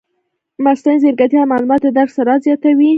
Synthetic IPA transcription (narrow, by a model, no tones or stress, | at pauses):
mast̪anzeɾɡat̪jɑmɑlumɑt̪ed̪aɾksaɾɑzjɑt̪awi